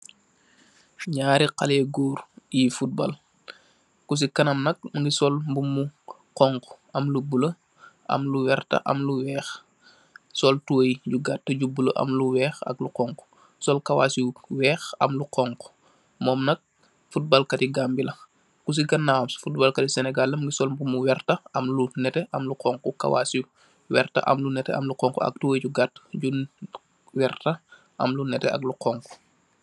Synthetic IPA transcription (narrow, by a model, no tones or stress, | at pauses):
ɲaːɾiqalɛːɡuːɾjifut̚bɐ̰l | kus̬ikɐnɐmnɐk̚mɡisɔlmbumu | qɔŋk | ɐmlubulə | ʔɐ̰mluwɛrtɐ̰ʔɐ̰mluwɛːx | sɔltuwjɟuɡatːɐɟubuləʔɐ̰mluwɛːxɐ̰kluqɔŋk | sɔlkɐwa̰ːsiwɛːxɐ̰mluqɔŋkɔ̥ | mɔːmnɐk̚ | fut̚balkɐtiɡambilɐ | kus̬iɡɐnːamsfut̚bɐːlkɐtisɛnɛɡalːɐmɡisɔlmbumuwɛrtɐɐmlunɛtɛʔɐmluqɔŋkukɐ̰wa̰ːsi | wɛrtɐ̰ʔɐ̰mlunɛtɛ̰ɐ̰mluqɔŋkɔ̰ɐ̰k̚tuwəjɟuɡatːɟun | wɛrtɐ | ʔɐ̰mlunɛtɛ̰ɐ̰kluqɔŋkɔ̥